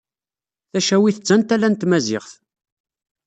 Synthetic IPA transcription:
θæʃæwiθət͡sːænt̪ælːænt̪mæzɪ̰ʁθ

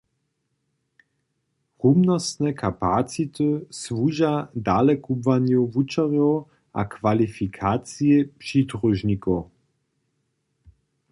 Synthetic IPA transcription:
humnɔst̪nɛkʰapat͡sit̪ɨsvuːʒadalɛkubvanjuvut͡ʃaʁjɔw | ʔa̰kvalifikʰat͡sijɛpʂid̪ʁuʒɲikɔ

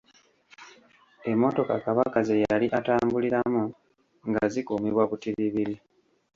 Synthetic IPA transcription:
e̞mːo̞to̞kakaβakazejaliʔataːmbuliɾamu | ŋɡazikuːmiβwakutiβiβiɾi

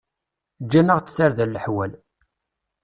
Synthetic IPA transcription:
d͡ʒːænəʁt͡sθaɾðælːəħwæl

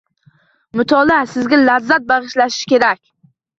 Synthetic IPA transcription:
mʊt̪ʰɒlasɪzɡʲalazːat̪̚bɑʁɨʃlaʃɪ̥ʃkʲe̞ɾakʲ

